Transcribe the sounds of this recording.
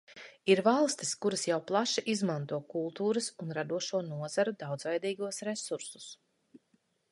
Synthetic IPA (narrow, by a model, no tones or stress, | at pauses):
iɾvalˠst̪i̥skuɾɐsjawplˠaʃiʔizmãnt̪uɔkulˠt̪uːɾɐsunɾad̪uɔʃuɔnuɔzaɾud̪awd̪zvɛjd̪iːɡuɔsɾesuɾsu̥s